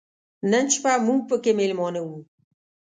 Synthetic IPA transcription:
nənt͡ʃpamuŋpəkemelʲmɔnəwu

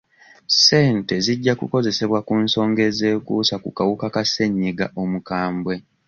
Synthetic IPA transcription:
se̞ːnte̞ziɟːakṵko̞ze̞se̞βwakunso̞ːŋɡe̞ze̞ːkuːsakukawukakase̞ɲːiɡaʔo̞mukaːmbwe̞

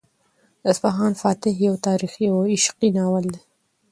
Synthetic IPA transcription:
ɪsfaɦɑːnfɑːt̪ɪɦjawt̪ɑːɾixiwɪʃqinɑwald̪e

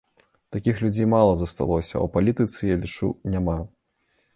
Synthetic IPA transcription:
t̪akʲixlʲud͡zʲejmalˠɐzɐst̪a̰lˠɔsʲɐ̰ɐ̰wpalʲit̪ɨt̪sɨjalʲit͡ʂṵnʲama

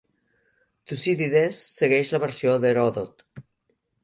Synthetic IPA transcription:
t̪usiðiðesːeɣɛʃləβəɾsjoðeɾɔðot̪

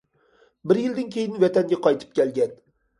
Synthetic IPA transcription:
bɪɾjɪld̪ɪnkʲʰejɪnvat̪ʰaŋɡʲaqʰɒjt̪ʰɪ̥p̚kʲelɡʲan

